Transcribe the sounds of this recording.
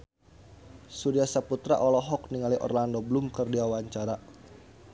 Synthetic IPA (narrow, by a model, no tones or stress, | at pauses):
suɾiasaput̪ɾa̰ʔɔlɔɦɔk̚niŋaliʔɔ̰rlandɔblumkɨrdiawaɲt͡ʃaɾa